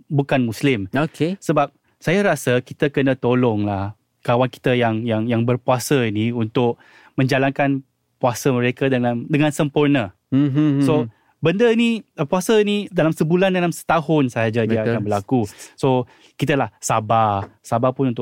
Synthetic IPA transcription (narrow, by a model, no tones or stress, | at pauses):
bukanmuslɪmokesəbap̚ | sajaɾasəkit̪akənat̪olɔŋlah | kawanki̥t̪əjaŋjaŋjaŋbərpuasəiniunt̪ʊk̚ | mə̃ɲd͡ʒalankan | puasəməɾekadəamdəŋãnsəmpurnə | so | bəndəinipuasainidalamsəbulandalamsə̥t̪aɦʊnsaad͡ʒadiaakanbəlakuso | kit̪̬əlahsabasabapʊnunt̪ʊ